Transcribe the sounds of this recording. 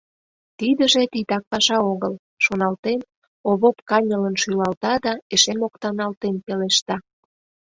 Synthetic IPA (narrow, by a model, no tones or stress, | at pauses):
t̪id̪əʒet̪it̪ɑk̚pɑʃɑoɣəl | ʃonɑlt̪en | oβopkɑnʲələnʃylɑlt̪ɑd̪ɑeʃemokt̪ɑnɑlt̪enpeleʃt̪ɑ